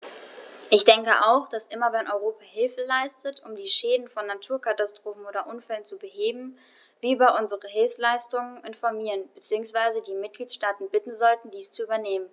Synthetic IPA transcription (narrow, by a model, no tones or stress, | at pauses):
ʔɪçd̥ɛŋkəʔa̰ʊxd̥asʔɪmɐvɛnʔɔʏʁ̞oːpaɦɪlfəlaɪstətʰʊmdiːʃɛːdn̩fɔnːatʰuːɐkʰatastʁ̥oːfn̩ʔoːdɐʔʊnfɛlənt͡subəɦeːbm̩ | viːbɐʔʊnzəʁəɦɪlfslaɪstʊŋənʔɪnfɔɐmiːʁənbət͡siːʊŋsv̥aɪzədiːmɪt̚ɡ̥liːtʃtaːtn̩bɪtn̩zɔltn̩diːst͡suʔyːbɐneːmən